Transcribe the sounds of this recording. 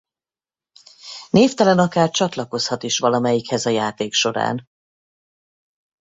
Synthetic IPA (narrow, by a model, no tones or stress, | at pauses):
neːft̪ɛlɛnɒkaːrt͡ʃɒt̪lɒko̞shɒt̪iʃʋɒlɒmɛjikhɛzɒjaːt̪eːkʃo̞ɾa̰ːn